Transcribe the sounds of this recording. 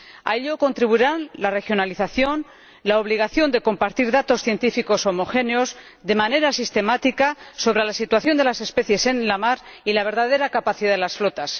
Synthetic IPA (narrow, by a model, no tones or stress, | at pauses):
a̰eʎo̞ko̞nt̪ɾiβuiɾanlare̞xjo̞naliθaθjo̞n | laoβliɣ̞aθjo̞nd̪e̞ko̞mpaɾt̪iɾðat̪o̞sθje̞nt̪ifiko̞so̞mo̞xe̞neo̞z | ðe̞mane̞ɾasist̪e̞mat̪ikaso̞β̞ɾe̞lasit̪waθjo̞nd̪e̞lase̞spe̞θje̞se̞nlamaɾilaβ̞e̞ɾðað̞e̞ɾakapaθiðaðelasflo̞t̪as